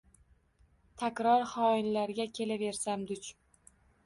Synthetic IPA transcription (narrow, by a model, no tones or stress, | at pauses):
t̪ʰakʲɾɒɾχɒɪnlaɾɡʲakʲʰe̞lave̞ɾsamd̪ʊt͡ʃ